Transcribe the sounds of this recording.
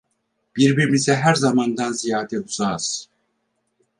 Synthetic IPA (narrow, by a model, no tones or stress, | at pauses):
b̥iɾbiɾmizɛɦæɾzamand̪anzijaːɦt̪ʰɛd̪uzaz̥